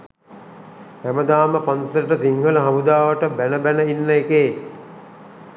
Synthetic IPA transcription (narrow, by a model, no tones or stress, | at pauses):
hæməd̪aːməpant̪əɾəʈət̪iŋɡələɦamud̪aːʋəʈəbænəbænəinːəekeː